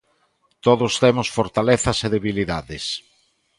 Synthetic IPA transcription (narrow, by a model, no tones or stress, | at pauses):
t̪oðʊst̪emʊsfoɾt̪aleθɐseðeβiliðaðɪs